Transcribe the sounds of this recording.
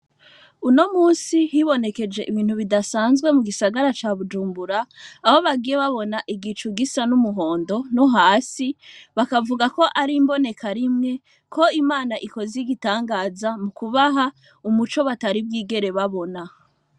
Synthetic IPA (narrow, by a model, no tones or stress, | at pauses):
uno̞muːnsihiβo̞ne̞ke̞d͡ʒe̞ʔiβiːn̥huβidasaːnzɡwe̞muɡisaɡaɾat͡ʃaːβud͡ʒuːmbuɾaːho̞βaɡiːjeβaβo̞naʔiɡit͡ʃuɡisanumuɦoːndo̞noɦaːsiβakavuɡako̞ʔaɾimbo̞ne̞kʰaɾimŋe̞ | kʰo̞imaːnaʔiko̞ziɡitaːŋɡaːzamukuβaɦa | umut͡ʃo̞βataɾib̚ɡiːɡe̞ɾe̞βaβo̞na